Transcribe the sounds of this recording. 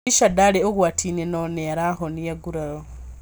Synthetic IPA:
iʃadaleoɣwatʰinenoneɾaxonijaɡuɾaɾo

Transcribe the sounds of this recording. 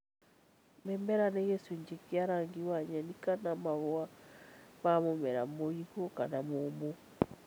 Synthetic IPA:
mɛmbɛɾaneɣesuɲd͡ʒekiaɾaŋɡiwaɲɛnikanamaβoa | mamomɛɾamoiɣokanamomo

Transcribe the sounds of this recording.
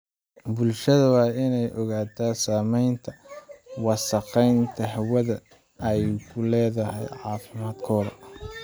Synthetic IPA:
bʊlʃɐðɐwɑːɪnɛjʔɔɣaːt̪ʰaːsaːmɛjnt̪ʰɐwɑːsɐqɛjnt̪ʰɐɦɐwɐðɐ | ɛjkʰʊlɛːðɐɦɛ̰jʕɑːfɪmaːd̪kʰɔːlɐ̰

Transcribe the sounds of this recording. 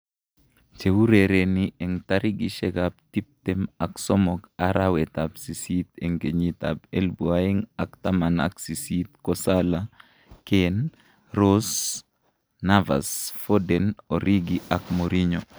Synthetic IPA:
t͡ʃewuɾeɾeniɛŋtaɾiɡiʃɛɡap̚tip̚tɛmaksɔmɔkaɾawɛtapsisit̪eŋɡeɲita̰pelbuaiŋaktamana̰ksisit̪̚kɔsala | ken | ɾos | nava̰sfodɛnoɾiɡiʔakmoɾiɲɔ

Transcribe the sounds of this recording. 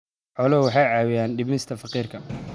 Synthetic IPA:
ħɔlɔwɑħɑjʕɑːwɪjaːnɖɪbmɪst̪ʰɐfɐqiːrkʰɐ

